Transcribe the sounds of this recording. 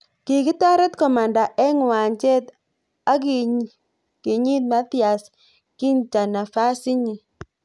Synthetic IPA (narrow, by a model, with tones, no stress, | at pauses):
ki˨ki˦ta˦ɾɛ˦t̪kɔ˨ma˨nda˨ʔɛ˦ŋ˨wa˨ɲt͡ʃɛ˦t̪ | a˦ki˨ | ki˨ɲi˦t̪̚ma˦t̪i˦a˨s | ki˦nt͡ʃa˨na˨fa˦si˦ɲi˨